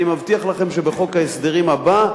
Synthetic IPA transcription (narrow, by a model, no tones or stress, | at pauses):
imavt̪iaχlaχe̞mʃebe̞χo̞khaesd̪eʁimhaba